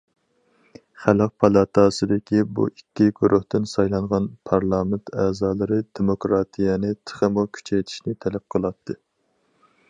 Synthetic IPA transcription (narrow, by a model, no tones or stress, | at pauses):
χælˠəq̚pʰɑlˠɑt̪ʰɑsɨd̪ɪkʲibṵikʲːiɡʲuɾʔʊht̪ɪnsɑjlˠɑɴʁɑnpʰɑɾlˠɑːmɪnt̪ʰɛːzɑːlˠɨɾɨd̪emokɾɑt̪ʰijɛnɨt̪ʰə̥χəmukʲʰy̥t͡ʃʰɛjt̪ʰi̥ʃnɪt̪ʰɛlɛp̚qʰəlˠɑt̪ʰːɨ